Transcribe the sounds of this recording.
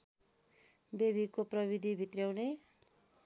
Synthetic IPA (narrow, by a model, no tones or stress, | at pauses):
bebikoprʌbid̪ʱibʱit̪rjawne